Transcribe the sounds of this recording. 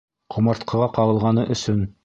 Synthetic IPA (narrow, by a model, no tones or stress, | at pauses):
qʰŭmɑɾt̪qʰɤ̆ʁɑqɑwɤ̆lˠʁɑnɤʔɵ̆sɵn